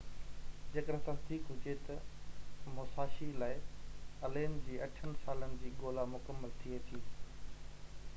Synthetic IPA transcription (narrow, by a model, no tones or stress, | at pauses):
d͡ʑeːkəɽsãːt̪ʰiːkɦʊd͡ʑet̪ɐ | moːsaːʃilaːɪɐleːnd͡ʑiːɐʈʰənɪ̆saːlənɪ̆d͡ʑiːɠoːlamʊkəmːəlt̪ʰiet̪ʰiː